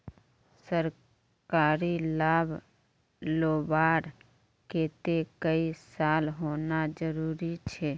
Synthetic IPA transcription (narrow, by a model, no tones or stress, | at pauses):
səɾ | kaːɾilaːbʱ | loːbaːɾ | ket̪ekəisaːlɦoːnad͡ʒəɾuːɾit͡ʃʰɛː